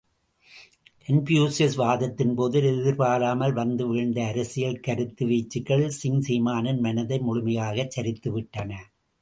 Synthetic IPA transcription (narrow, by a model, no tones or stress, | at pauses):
ʔɛnpjuːsɪsʋaːðɐt̪ːɪnpoːðɪlɛðɪɾpaːlaːmɐlʋɐnd̪ɯʋɪɻnd̪ɐːɾɐsɪjɐlkɐɾɯt̪ːɯʋiːt͡ʃːɯkːɐɭsɪŋsiːmaːnɐnmɐnɐðɐɪmʊɻʊmɐjaːɣɐt͡ʃːɐɾɪt̪ːɯʋɪʈːɐnɐ